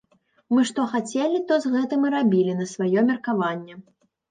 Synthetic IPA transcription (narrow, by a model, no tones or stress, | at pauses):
mɨʂt̪ɔxat͡sʲɛlʲit̪ɔzɣɛt̪ɨmiɾabʲilʲinɐsvajɔmʲɛrkavanʲːɛ